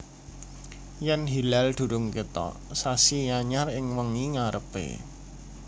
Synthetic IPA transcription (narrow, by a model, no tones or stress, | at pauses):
jɛnɦilald̪̥ṳɾʊŋkit̪ɔ̰ʔsasijaɲarɪŋwəŋiŋaɾəpḛ